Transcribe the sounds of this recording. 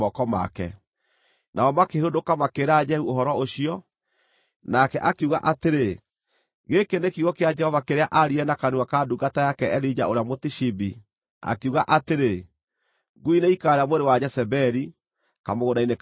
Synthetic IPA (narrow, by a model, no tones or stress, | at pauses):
ɔkɔma̰kɛ̰ | nʔaɔmakehodokamakeɾad͡ʒɛhuoɦɔɾɔoɕiɔ | nakɛʔakeuɣa̰ʔateɾe | ɡekenekiɣɔkead͡ʒɛhɔvakeɾeaʔaɾiɛnakanuakaduɡatajakɛɛlid͡ʒaoɾeamotiʃibi | a̰kuɣaʔateɾe | ɡuineikaɾamoɾewad͡ʒɛsɛbɛɾi | kamoɣodainek